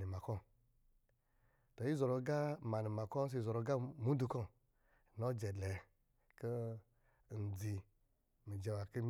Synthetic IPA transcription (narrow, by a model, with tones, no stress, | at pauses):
i˨ma˨kɔ˦˨ | to˨ji˦zɔ˨ɾo˧˦ɡa˦ma˨ni˨ma˨kɔ˦s̬e˧zɔ˨ɾo˧ɡa˦mu˦du˧kɔ˦˨ | no˦d͡ʒɛ˨dɛ˨ | kə˦ | n̩˨d͡zi˧ | mi˨d͡ʒɛ˧wa˨kə˦m